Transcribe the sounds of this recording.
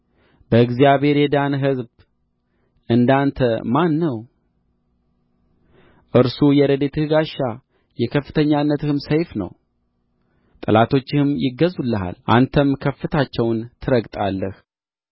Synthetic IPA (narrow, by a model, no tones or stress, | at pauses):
b̥əɨɡzijaβe̞ɾjɛd̪anɦɨzb | ʔɨnd̪ant̪ʰəmanːəw | ʔɨɾsujɛɾəd̪et̪ʰɨhɨɡaʃːa | jɛkʰəfːɨt̪ʰəɲːanːət̪ɨhɨmsəjfnə̰w | t̪ʼɨlat̪ʰo̞t͡ʃːɪhɨmjɪɡəzulːəɦa̰lʔa̰nt̪ʰəmkʰəfːɨt̪ʰat͡ʃːɛwnt̪ʰɨɾəɡt̪ʼalːəh